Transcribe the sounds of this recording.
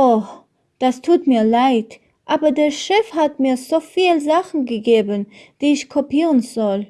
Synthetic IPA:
ɔχ | d̥astʰuːtmiːlaɪt | ʔaːbədɛɾʃɪfhatmiːɾzofiːlˠzaχn̩ɡəɡeːbənd̥iːɪʃkʰɔpiːʁən̩zɔl

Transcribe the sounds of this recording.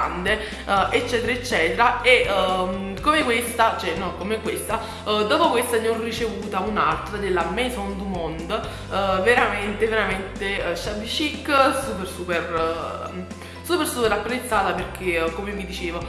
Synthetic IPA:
and̪e | ʔet͡ʃːɛːt̪̬eɾaet͡ʃːɛːt̪eɾae | komekwest̪at͡ʃɛnːɔkomekwest̪a | d̪ɔːpokwest̪aniɔrit͡ʃevuːt̪aunalt̪ɾad̪elːamejsɔnd̪umɔnd̪ | veɾament̪eveɾament̪eʃabiʃikːsuːpersuper | supersuːpeɾapːɾet̪sːaːt̪aperk̟ʰekːomevid̪it͡ʃeːvo

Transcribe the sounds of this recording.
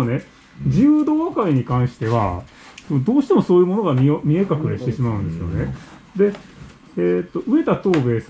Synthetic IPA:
ne̞ | d͡ʑiɯːd̪oːβakaiɲ̟ikãɰ̃ɕi̥t̪e̞βa | d̪o̞ːɕi̥t̪emo̞so̞ːjɯ̟ːmo̞no̞ɡamʲiomʲie̞kakɯ̟ɾeɕi̥t̪e̞ɕimaɯ̟̃nd̪e̞sɨjo̞̰ne | d̪e̞ | eːt̪ːo̞ʔɯ̟e̞t̪at̪o̞ːbe̞ːs

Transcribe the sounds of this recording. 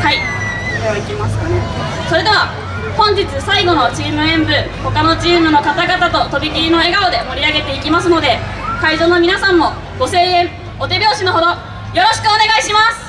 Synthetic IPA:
hai | ikʲimasɨ̥kane | so̞ɾe̞d̪e̞βa | hõ̞ɲ̟d͡ʑit͡sɨsaiɡo̞no̞t͡ɕiːmɯ̟ẽ̞mbɯ̟ | ho̞kano̞t͡ɕiːmɯ̟no̞kat̪aɡat̪at̪o̞t̪o̞bʲik̪ʲiɾʲino̞e̞ɡaod̪e̞mo̞ɾʲiaɡe̞t̪eikʲimasɨno̞d̪e̞kaiʑo̞ːno̞mʲinasãmːo̞ | ɡ̥o̞se̞ːẽ̞ɴ | ot̪e̞bʲjo̞ːɕino̞ɦo̞d̪o̞ | jo̞ɾo̞ɕi̥kɯ̟one̞ɡaiɕimasɨ̥

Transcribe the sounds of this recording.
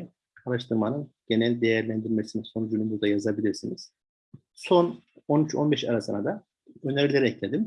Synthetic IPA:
aɾaʃt̪ʰɯɾmanɯnɟ̥e̞nælʲd̪ejæɾlʲænd̪iɾmesinɛso̞nud͡ʒynybuɾd̪ajazabilʲiɾsiniz̥ | so̞no̞nyt͡ʃʰo̞nbɛʃa̰ɾasɯna̰d̪a | ø̞nɛɾlʲeɾɛɛclʲed̪im

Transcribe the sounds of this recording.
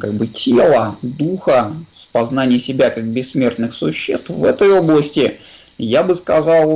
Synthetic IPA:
kaɡ̚bɨtʲʰelˠəd̪uxəspɐznanʲɪjəsʲɪbʲakak̚bʲɪsːmʲe̞rt̪nɨxsʊɕːest̪fvɛt̪əjoblˠəsʲtʲɪ | jabɨskɐzɑlˠ

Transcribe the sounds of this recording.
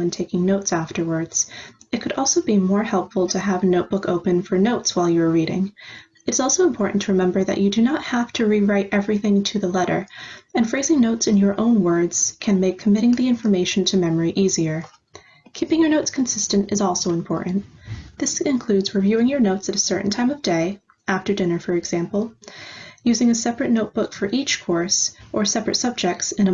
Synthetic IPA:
ɨ̃ntʰeɪkɪ̃ŋnoʊtsæftə˞wə˞dz̥ɨt̚kʰɨɾʔɔlˠsoʊbimɔɹhɛlˠpfl̩ˠtʰɨəvɨnoʊt̚b̥ʊkoʊpɨ̃nfə˞noʊtswaɪlˠjɨə˞ɹiɾɪ̰̃ŋ | ɨɾɨzɔlˠsoʊə̃mpʰɔɹʔn̩tʰɨɹɨmɛ̃mbə˞ðɨ̰t͡ʃɨdɨnət̚hæftʰɨɹiɹaɪɾʔɛvɹiθɪ̃ŋtʰɨðəlɛɾə̰˞ɨ̃nfɹeɪzɪ̃ŋnoʊtsɨ̃njə˞ʔõʊ̃nwɜ˞dz̥kʰɨ̃nmeɪkʰːəmɪɾɪ̃ŋðiɪ̃ɱfə˞meɪʃn̩tʰɨmɛmə˞iʔiziə˞ | kʰipɪ̃ŋjə˞noʊtskʰn̩sɪstɨ̃ntɨzɔlˠsoʊɨ̃mpʰɔ̰ɹʔn̩ðɪsɨ̃nkʰl̥ʉdzɹɨvjʉɪ̃ŋjə˞noʊtsɨɾɨsɜ˞ʔn̩tʰãɪ̃mʌvdeɪ | ʔæftə˞dɪ̃nə˞fə˞ɨɡz̥æ̃mpl̩ˠ | jʉzɪ̃ŋɨsɛpɹɨtⁿnoʊt̚b̥ʊkfə˞ʔit͡ʃkʰɔɹsʔə˞sɛpɹɨtsʌb̚d͡ʒɛk̚tsɨ̃ñə

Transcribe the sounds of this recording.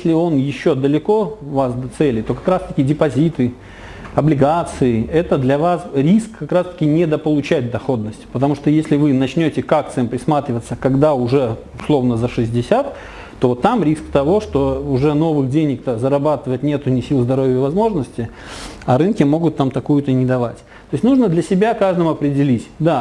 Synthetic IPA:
sʲlʲɪo̞njɪɕːod̪əlʲɪko̞vasd̪ɐt̪sɛlʲɪt̪o̞kɐkɾast̪əkʲɪdʲɪpɐzʲit̪ɨ | ɐblʲɪɡat̪sɨɪɛt̪əd̪lʲɐvasɾʲiskːɐkɾast̪ə̥kʲɪnʲɪd̪əpəlˠʊt͡ɕæt̚ʲd̪ɐxo̞d̪̚nəsʲtʲpət̪ɐmuʂt̪ojesʲlʲɪvɨnɐt͡ɕnʲotʲɪkak̚t̪sɨjəmpɾʲɪsmat̪ɾʲɪvət̪sːəkɐɡd̪aʊʐɛ | ʊslˠo̞vnəzəʂɨzʲdʲɪsʲat̪ | t̪ːovot̪ːamɾʲiskt̪ɐvo̞ʂt̪o̞ʊʐɛno̞vɨxdʲenʲɪk̚t̪azəɾɐbat̪ɨvətʲnʲet̪ʊnʲɪsʲilˠzd̪ɐɾo̞vʲɪəvɐzmo̞ʐnəsʲtʲɪ | ɐɾɨnkʲɪmo̞ɡʊt̪ːamt̪ɐkujʊt̪ənʲɪd̪ɐvatʲ | t̪o̞jɪsʲnuʐnəd̪lʲɐsʲɪbʲakaʐd̪əmʊɐpɾʲɪdʲɪlʲitʲd̪a

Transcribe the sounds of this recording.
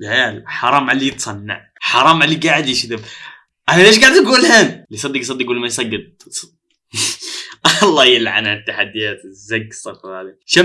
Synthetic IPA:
bʕjaːlħɑɾˤɑːmʕalːijɪt̪sˤɑnːa̰ʕ | ħɑɾˤɑːmʕalːiɡaʕɪd̪ɪʃɪt̪ɪb | ʔanaleːʃɡaʕɪd̪ʔaɡuːlheːnlisˤɑd̪ːɪksˤɑd̪ːikɡulːmajsˤɑɡːɪd̪̚ | ʔlˤːɑːjɪlːʕa̰nat̪ːaħad̪ːɪjaːt̪zːaɡsˤɑfɾhad̪iʃa

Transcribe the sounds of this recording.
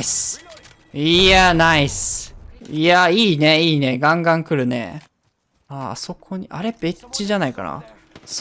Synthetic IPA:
s | ianaisɨ̥ | aiːne̞iːne̞ɡãŋɡãŋkɯ̟ɾɯ̟nḛ | a̰so̞kʰo̞ɲ̟iʔa̰ɾe̞be̞t͡ɕiʑanaika̰na̰ | s

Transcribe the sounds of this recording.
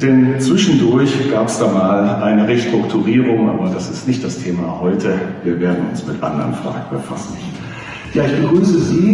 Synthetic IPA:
d̥ɛnt͡sv̥ɪʃn̩dʊɐçɡ̥aːpsd̥aːmaːlʔaɪnəʁeʃtʁ̥ʊktʰuʁiːʁʊŋʔa̰ːbɐdasɪstnɪçt̚d̥astʰeːmahɔʏtʰəviːɐveːɐdn̩ʊ̰nsmɪtʔa̰ndɐ̰ʁənfʁ̥a̰ːɡŋ̩bəfa̰sn̩ | jaːɪçb̥əɡʁyːsəziː

